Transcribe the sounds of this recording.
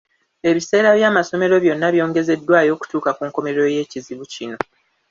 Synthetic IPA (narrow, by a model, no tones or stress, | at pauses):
e̞βise̞ːɾaβjaːmaso̞me̞ɾo̞βjo̞nːaβjo̞ːŋɡe̞ze̞dːwaːjo̞ːku̥tuːkakuːŋko̞me̞ɾo̞je̞ːciziβucino̞